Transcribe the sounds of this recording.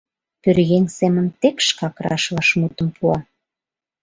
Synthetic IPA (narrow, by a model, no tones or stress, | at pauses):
pørɣensemənt̪ekʃkɑkrɑ̰ʃvɑʃmut̪ə̆mpʰuɑ